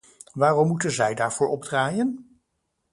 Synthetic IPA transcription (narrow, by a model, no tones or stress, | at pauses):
ʋaːrɔmːutənzɛjdaːɹv̥ʊːɹɔb̚draːjən